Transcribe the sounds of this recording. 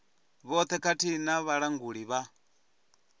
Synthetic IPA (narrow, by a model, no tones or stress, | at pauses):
βɔt̪ʰɛkʰatʰinaβaɺaŋɡuɺiβa